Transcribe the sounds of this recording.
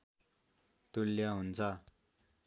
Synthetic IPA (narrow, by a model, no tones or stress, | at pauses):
t̪uljaɦunt͡sʰʌ